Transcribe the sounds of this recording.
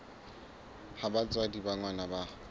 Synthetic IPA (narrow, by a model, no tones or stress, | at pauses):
habat͡sʼwadibaŋwanaba